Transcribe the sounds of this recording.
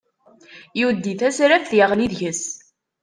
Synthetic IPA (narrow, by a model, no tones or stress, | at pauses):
juwd̪ːiθæsɾæfθjəʁliðʝəs